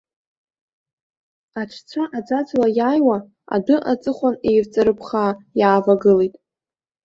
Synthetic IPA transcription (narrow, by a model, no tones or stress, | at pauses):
aʈ͡ʂʰt͡sʷʰaʔad͡zad͡zlajaːjwa | a̰dɨʔat͡sʼɨχʷanejvt͡sʼɨɾɨpʰχaːjaːvaɡɨlejtʼ